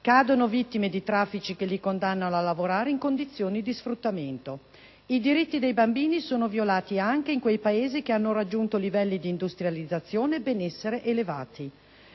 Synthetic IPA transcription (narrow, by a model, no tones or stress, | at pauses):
kaːd̪onovit̪ːimed̪it̪ɾafːit͡ʃikelːikond̪anːanoalːavoɾaːɾeiŋkond̪it̪sːjoːnid̪isfɾut̪ːament̪o | id̪iɾit̪ːid̪ejbambiːnisoːnovjolaːt̪iaŋk̟eiŋkwejpaeːzikeanːoɾad͡ʒːunt̪olivɛlːid̪iːnd̪ust̪ɾjalid̪zːat̪sːjoːnebenɛsːeɾeʔeleva̰ːt̪i